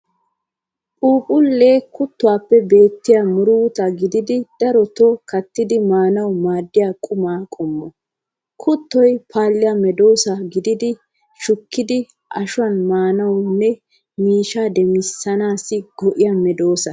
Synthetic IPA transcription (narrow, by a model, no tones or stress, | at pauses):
pʼuːpʼʊlːeːkʊt̪ːɔwaːpːɛbe̞ːt̪ːɪjamʊɾʊwt̪ɐɡɪd̪ɪd̪ɪd̪̥ɐɾɔt̪ɔkɐt̪ːɪd̪ɪmaːnɐwmaːd̪ːɪjaːkʼʊmaːkʼʊmːɔ | kʰʊt̪ːɔjpʰaːlːɪjɐmɛd̪o̞ːsɐɡɪd̪ɪd̪ɪ | ʃʊkːɪd̪ɪ | ʔɐʃʊɐnmaːnɐwnːɛ | miːʃad̪ɛmɪsːɐnaːsɪɡɔʔɪjɐmɛd̪o̞ːsɐ